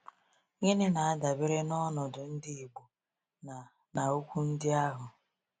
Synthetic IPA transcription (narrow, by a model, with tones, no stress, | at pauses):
ŋe˦nɪ˦na˨a˦da˨bɪ˦ɾe˦nɔ˦nɔ˨dʊ˨n̩˦dɪ˦i˨ɡ͡bu˨ | n˨ | na˨o˦kʷu˦n̩˦dɪ˦a˦ɦʊ˨